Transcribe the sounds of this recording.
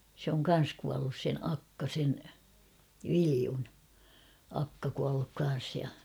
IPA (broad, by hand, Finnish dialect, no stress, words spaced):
sĕ oŋ kɑn̞s kuɑlːus sen ɑkːɑ sen ʋiliun ɑkːɑ kuɑlːuk kɑn̞s jɑ